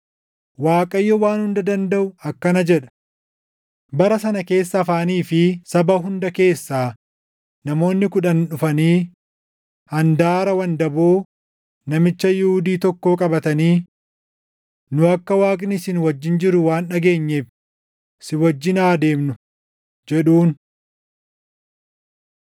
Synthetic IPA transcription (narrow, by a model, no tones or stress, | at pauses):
waːkʼɐjːɔwaːnhʊnd̪ɐd̪ɐnd̪ɐʔʊɐkːɐnɐd͡ʒɛᶑɐ̥ | bɐɾɐsɐnɐke̞ːsːɐːfaːniːfɪsɐbɐɦʊnd̪ɐke̞ːsːaː | nɐmo̞ːnːɪkʊᶑɐnᶑʊfɐniː | ɐnd̪aːɾɐwɐnd̪ɐboː | nɐmɪt͡ʃːɐjɪhʊd̪iːt̪ɔkːoːkʼɐbɐt̪ɐniː | nʊɐkːɐwaːkʼnɪsɪnwɐd͡ʒːɪnd͡ʒɪɾʊwaːnᶑɐɡe̞ːɲːe̞ːf | sɪwɐd͡ʒːɪnaːd̪e̞ːmnʊ | d͡ʒɛᶑuːn